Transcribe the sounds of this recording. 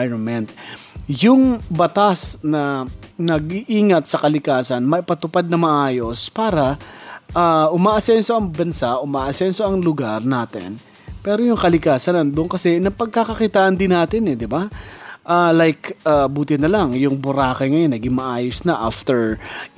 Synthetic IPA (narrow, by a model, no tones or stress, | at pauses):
jɹonmɛnt̪̚jʊŋbɐt̪asnɐnɐɡiʔiːŋɐt̪̚sɐkɐlɪkaːsɐnmɐʔɪpɐt̪ʊpad̪̚nɐmɐʔaːjo̞spaːɾɐʔaːʔʊmaːʔɐsɛnso̞ɐŋbɐnsaʔʊmaːʔɐsɛnso̞ɐŋlʊɡaɾnaːt̪ɪ̰n | pɛɾojʊŋkɐlɪkaːsɐnɐnd̪ʊʔnkɐsɛnɐpɐɡ̚kakɐkit̪aːʔɐnd̪ɪnːaːt̪ɪnɛd̪ɪbaʔalajkʔabuːt̪ɪnɐlaŋjʊŋbʊɾaːkɐŋɐjonːɐɡimɐʔaːjosnɐʔaft̪ɛɹ